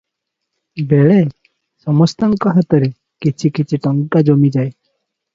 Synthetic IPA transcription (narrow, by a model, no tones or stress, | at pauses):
beɭe | sɔmɔst̪aŋkɔɦat̪ɔɾe | kit͡ʃʰikit͡ʃʰiʈɔŋkad͡ʒomid͡ʒae